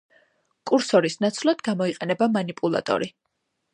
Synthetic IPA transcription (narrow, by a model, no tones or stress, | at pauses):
kʼuɾsɔɾisnat̪sʰlˠad̪̥ɡamɔiqʼɛnɛbamanipʼulˠa̰t̪ʼɔ̰ɾi